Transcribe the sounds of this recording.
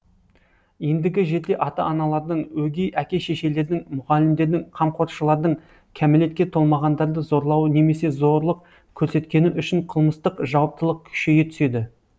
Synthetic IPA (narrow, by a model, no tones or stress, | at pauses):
je̞nd̪ɪɡʲɪʒe̞t̪e̞ʔɑt̪ɑ̰ɑnɑlˠɑɾd̪əɴwɵɡʲejʔækʲe̞ʃe̞ʃe̞le̞ɾd̪ɪŋmʊʁɑlɪmd̪e̞ɾd̪ɪŋqʰɑmqʰo̞ɾt̪ʃəlˠɑɾd̪əɴ | kʲʰæmele̞t̪̚kʲe̞t̪ʰo̞lˠmɑʁɑnd̪ɑɾd̪əzo̞ɾlˠɑwəne̞me̞se̞zo̞ɾlˠəq̚ | kʲʰɵɾse̞t̪kʲe̞nɪʔʏʃɪɴqʰəlˠməst̪əqʒɑwɑp̚t̪əlˠəq̚kʲʰʏ̥ʃe̞jet̪ʰʏ̥se̞d̪ɪ